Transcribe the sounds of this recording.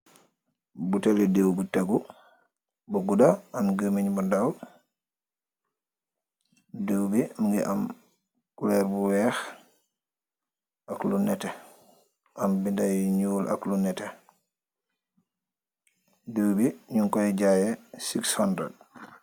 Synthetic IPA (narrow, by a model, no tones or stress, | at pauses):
butɛlɛdewbutaɡu | bɔɡudaanɡəmiɲbɔndaw | dewbɛmiŋɡɛ̰ʔam | kulɛɾbuwɛx | aklunɛtɛ | ʔambindajɲuːlʔa̰klunɛtɛ | dewbɛɲuŋkɔjɛd͡ʒajɛsikshandɾɛ̰d̚